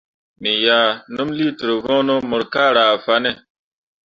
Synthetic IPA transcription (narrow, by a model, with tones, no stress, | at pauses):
mi˨ja˨nu˦mli˦tɾo˨vɔ̃˦no˦mɔ˨ɾka˦ɾaː˨fa˨nɛ˦˨